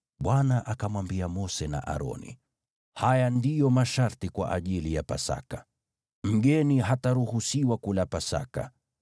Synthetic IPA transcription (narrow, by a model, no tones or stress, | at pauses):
ɓwanaʔakamwambiamɔsɛna̰ʔa̰ɾɔ̰nḭ | hajandijɔmaʃaɾtikwa̰ʔaʄilijapa̰sa̰ka | m̩ɡɛniɦataɾuhusiwakulapasa̰ka̰